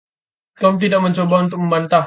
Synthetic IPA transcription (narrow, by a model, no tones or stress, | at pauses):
t̪ɔmt̪̬idak̚məɲt͡ʃobaunt̪ʊk̚məmbant̪a